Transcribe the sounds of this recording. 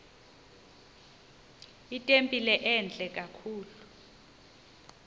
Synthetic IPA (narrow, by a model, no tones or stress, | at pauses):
itʼempʼilɛʔɛnd͡ɮʱʼɛkʼakʰuːlu